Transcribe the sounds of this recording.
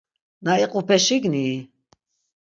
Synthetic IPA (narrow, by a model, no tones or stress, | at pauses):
naiqʼupʰɛʃiɡni